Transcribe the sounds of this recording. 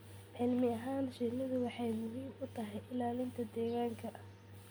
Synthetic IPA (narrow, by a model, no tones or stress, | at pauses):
ʕɪlmɪɐɦaːnʃɪlɐðʊwɑħɑjmʊɦiːmʊt̪ʰɐɦɛjʔɪlaːlɪnt̪ʰɐd̪ɛːɣaːŋkʰɐʔɐ